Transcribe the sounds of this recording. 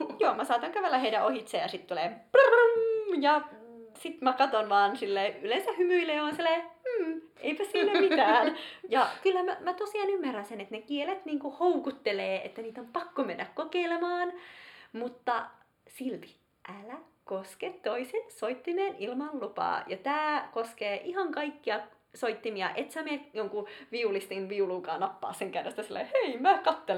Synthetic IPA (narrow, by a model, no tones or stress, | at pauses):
joːmæsɑːt̪ɑŋkæʋelːæheiɾæʔohit̪seːjɑsit̪t̪ulep | jɑsit̪mækɑt̪onʋɑːnsilːeːylensæhymyileːonsilːeːm̩ː | ḛipæssiːnæmit̪æːnjɑkylːæmæmæt̪osiɑnymːærænsenet̪nekielet̪niːŋkuhoukut̪ːeleːʔḛt̪ːæniːt̪ompɑkːomenːækkokeilemɑːnmut̪ːɑ | silt̪i̥ | ʔælæ | kosket̪t̪oisensoit̪ːimeːnilmɑllupɑ̰ːjɑt̪æːkoskeːʔihɑŋkɑikːiɑ | soit̪ːimiɑ̰ʔet̪sæmejoŋkuʋiulist̪inʋiuluːkɑːnɑpːɑ̰ːsːeŋkærest̪æsilːḛheimækɑt̪ːel